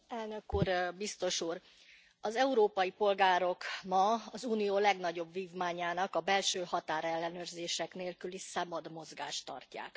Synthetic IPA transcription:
ɛlnø̞kuːrbist̪o̞ʃuːr | ɒzɛuɾoːpɒjipo̞lɡaːɾo̞kmɒɒzuːnijoːlɛɡn̪ɒɟo̞bviːvmaːɲaːnɒkɒbɛlʃøːhɒt̪aːɾɛlːɛnøːrzeːʃɛkneːlkylisaːmɒd̪mo̞zɡa̰ːʃt̪ːɒ̰rca̰ːk

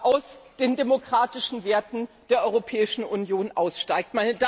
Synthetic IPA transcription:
ʔaʊsd̥eːndemokʁ̥aːtɪʃn̩veːɐtn̩ | d̥eːɐʔɔʏʁopʰɛːɪʃn̩ʔunjoːnʔaʊsʃtaɪk̚tmanda

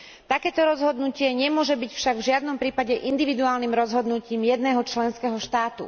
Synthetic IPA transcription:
t̪akɛːt̪ɔɾɔzɦɔd̪nucɪɛɲɛmʊɔʒɛbicfʃaɡvʒɪad̪nɔmpɾiːpaɟɛʔind̪iʋid̪uaːlnimɾɔzɦɔd̪nuciːmjɛd̪nɛːɦɔt͡ʃlɛnskɛɦɔʃt̪aːt̪ṵ

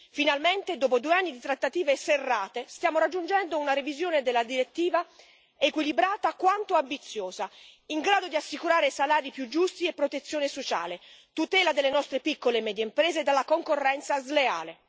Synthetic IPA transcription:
finalment̪ed̪oːpod̪uːeanːid̪it̪ɾat̪ːat̪iːveserːaːt̪est̪jaːmoɾad͡ʒːund͡ʒɛnd̪ounaɾevizjoːned̪elːad̪iɾet̪ːiːva | ekwilibɾaːt̪akwant̪oambit̪sːjoːzaiŋɡɾaːd̪od̪iasːikuɾaːɾesalaːɾipjud͡ʒːust̪iepːɾot̪et̪sːjoːnesot͡ʃa̰ːlet̪ut̪ɛːlad̪elːenɔst̪ɾepikːolemɛːd̪jeimpɾɛːzed̪alːakoŋkorːɛnt̪sazlea̰ːle

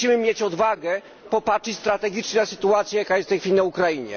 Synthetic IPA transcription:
imɘmʲjet͡ɕɔd̪vaɡɛ | pɔpat͡ʂɘt͡ɕʲst̪ɾat̪ɛɡʲit͡ʂɲɛnasɘ̥t̪uat̪sʲjɛjakajɛst̪ɛjxfʲilʲinaukɾaiɲɛ̰

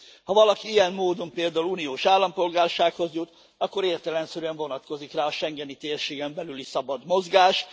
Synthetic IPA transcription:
hɒvɒlɒkiijɛmːoːd̪o̞mpeːld̪aːulunijoːʃaːlːɒmpo̞lɡaːrʃaːkho̞zjut̪ | ɒkːo̞ɾeːrt̪ɛlɛnsɛɾyɛɱvo̞nɒt̪ko̞zikraːɒʃɛŋɡɛnit̪eːrʃeːɡɛmbɛlylisɒbɒd̪mo̞zɡaːʃ

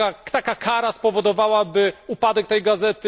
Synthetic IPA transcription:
at̪akakʰaɾaspɔvɔd̪ɔvawabɘupad̪ɛk̚t̪ɛjɡazɛt̪ɘ

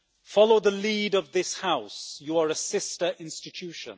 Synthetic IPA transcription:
fɑloʊðəliːdʌvðɪshaʊsjuəɹəsɪstə˞ʔɪ̃nstɨtʰʉʃə̰̃n

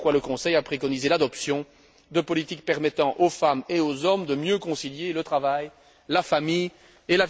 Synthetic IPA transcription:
kwaləkɔ̃sɛjapχekɔnizelad̪ɔpsjɔ̃ | d̪əpɔlit̪ik̚pɛʁmɛt̪ɑ̃ʔofameozɔmd̪əmjøkɔ̃siljelət̪χavaj | lafamij | ela

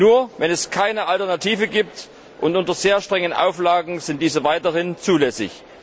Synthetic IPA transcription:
nuːɐvɛnɛskʰaɪnəʔaltɛɐnatʰiːvəɡiːp̚t | ʔʊntʔʊntɐzeːɐʃtʁ̥ɛŋənʔa̰ʊflaːɡŋ̩zɪntd̥iːzəvaɪtəʁɪnt͡suːlɛsɪ̰ç

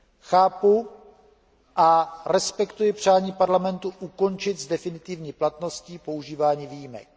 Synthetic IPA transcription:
xaːpu | ʔaɾɛspɛkt̪ujɪpr̝̥aːɲiːpaɾlamɛnt̪uʔuko̞nt͡ʃɪt̪zdɛfɪnɪt̪ɪvɲiːplat̪no̞scipo̞uʒiːvaːɲiːviːjimɛ̰k̚

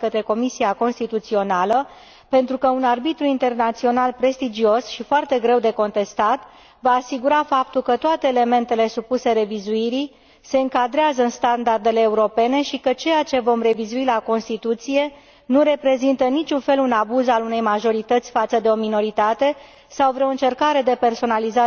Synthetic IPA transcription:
kət̪ɾe̞ko̞misiako̞nst̪it̪ut̪sio̞nalə | pe̞nt̪ɾukəunarbit̪ɾuint̪e̞rnat̪sio̞nalpɾe̞st̪id͡ʒio̞sʃifoart̪e̞ɡɾe̞wd̪e̞ko̞nt̪e̞st̪at̪ | vaːsiɡuɾafap̚t̪ulkət̪oat̪e̞ːle̞me̞nt̪e̞le̞supuse̞ɾe̞vizuiɾi | se̞ɨŋkad̪ɾeazəɨnst̪and̪ard̪e̞le̞ːuɾo̞pe̞ne̞ʃikət͡ʃe̞jat͡ʃe̞vo̞mre̞vizuilako̞nst̪it̪ut̪sije̞ | nuɾe̞pɾe̞zint̪ənit͡ʃunfe̞lunabuzalune̞jmaʒo̞ɾit̪ət̪sʲfat̪səd̪e̞o̞mino̞ɾit̪at̪e̞ | sawvɾeo̞ɨnt͡ʃe̞rkaɾe̞d̪e̞pe̞rso̞naliza

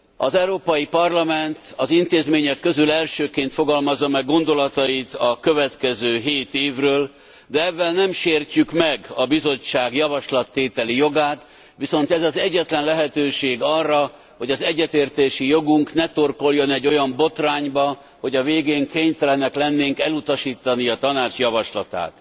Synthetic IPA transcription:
ɒzɛɾoːpɒjipɒrlɒmɛnt̪ɒzint̪eːzmeːɲɛkːø̞zylɛlʃøːkeːnt̪fo̞ɡɒlmɒzːɒmɛɡːo̞nd̪o̞lɒt̪ɒjit̪ɒkøvɛt̪kɛzøːɦeːt̪eːvrøːl | d̪ɛɛvːɛlnɛmʃeːrcykmɛɡɒbizo̞t͡ʃːaːɡjɒvɒʃlɒt̪ːeːt̪ɛlijo̞ɡaːt̪ | ʋiso̞nt̪ɛzɒzɛɟːɛt̪lɛnlɛɦɛt̪øːʃeːɡɒrːɒ | ho̞ɟɒzɛɟːɛt̪eːrt̪eːʃijo̞ɡuŋknɛt̪o̞rko̞ljo̞nɛɟːo̞jɒmbo̞t̪raːɲbɒ | ho̞ɟɒveːɡeːŋkeːɲt̪ɛlɛnɛklɛnːeːŋkɛlut̪ɒʃiːt̪ːɒniɒt̪ɒnaːt͡ʃjɒvɒʃlɒt̪a̰ːt̪

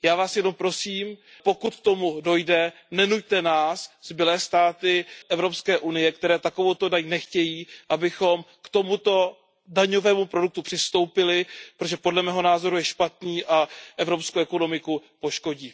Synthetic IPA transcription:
jaːvaːsjɛno̞mpɾo̞siːm | po̞kut̪̚kt̪o̞mudo̞jdɛ | nɛnuc̚t̪ɛnaːszbɪlɛːst̪aːt̪ɪʔɛvɾo̞pskɛːʔunɪjɛkt̪ɛɾɛːt̪ako̞vowt̪o̞daɲnɛxcɛjiːʔabɪxo̞mkt̪o̞mut̪o̞ | daɲo̞vɛːmupɾoduk̚t̪upr̝̥ɪst̪o̞wpɪlɪpɾot̪oʒɛpodlɛmɛːɦo̞naːzo̞ɾujɛʃpat̪niːʔaʔɛvɾo̞pskowʔɛko̞no̞mɪkupo̞ʃko̞ɟiː

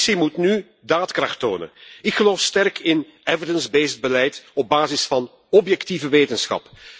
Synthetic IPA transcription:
simutny | daːtkrɑxto̰ːnə̰nɪkxəloːfstɛrkɪn | ɛvədənzbeːsd̚bəlɛjtɔb̚baːzɪsfɑn | ɔpjɛktivəʋeːtənsxɑ̰p

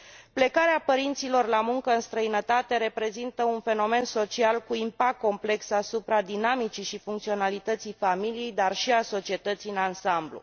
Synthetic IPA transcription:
ple̞kaɾeapəɾint̪silo̞rlamuŋkəɨnst̪ɾəinət̪at̪e̞ɾe̞pɾe̞zint̪əunfe̞no̞me̞nso̞t͡ʃialkuimpak̚t̪ko̞mple̞ksasupɾad̪inamit͡ʃiʃifuŋk̚t̪sio̞nalit̪ət̪sijfamilije̞jd̪arʃiaso̞t͡ʃie̞t̪ət̪sijɨnansamblṵ

